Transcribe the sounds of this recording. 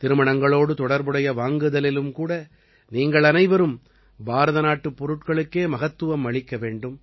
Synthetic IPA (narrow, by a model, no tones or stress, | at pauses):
t̪ɪɾɯmɐɳɐŋɡɐɭoːɽɯt̪ɔɽɐɾbɯɽɐjɐʋaːŋɡɯðɐlɪlɯmkuːɽɐ | niːŋɡɐɭɐnɐɪʋɐɾɯm | baːɾɐðɐnaːʈːɯpːɔɾɯʈkɐɭɯkːeːmɐɣɐt̪ːɯʋɐmɐɭɪkːɐʋeːɳɖɯm